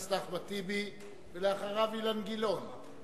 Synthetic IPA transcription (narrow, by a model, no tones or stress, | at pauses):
slaχbat̪ibi | velaaχaʁavilanɡilon